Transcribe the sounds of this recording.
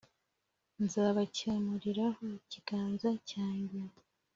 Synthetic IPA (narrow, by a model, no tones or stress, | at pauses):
nzaːβacamuɾiɾaho̞ciɡ̥aːnzacaːɲɡe